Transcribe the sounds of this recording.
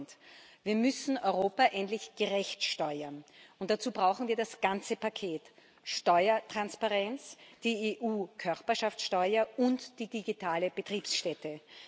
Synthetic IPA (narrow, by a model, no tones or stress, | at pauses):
ntviːɐmʏsn̩ɔʏʁoːpaʔɛntlɪçɡ̥əʁɛçtʃtɔʏɐnʊnt̚d̥at͡suːbʁaʊxn̩viːɐdasɡ̥ant͡səpakʰeːt | ʃtɔʏɐtʁ̥anspaʁɛnt͡sd̥iːeʔuːkʰœʁpɐʃaft͡ssʃtɔʏɐʊntd̥iːdiɡitʰaːləb̥ətʁ̥iːpsʃtɛtʰə